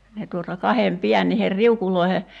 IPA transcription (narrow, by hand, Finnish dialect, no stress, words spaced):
ne tuotɑ kɑhem piæn niher riukuloi̞he